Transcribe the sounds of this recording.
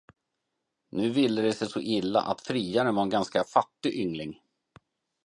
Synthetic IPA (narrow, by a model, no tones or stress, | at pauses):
nʉ̟ːvɪlːəd̪ɛsɛjsɔʔɪlːa̰ʔat̪fɾiːaɾənvaɾɛnɡanskafat̪ːɪɡʔʏŋlɪŋ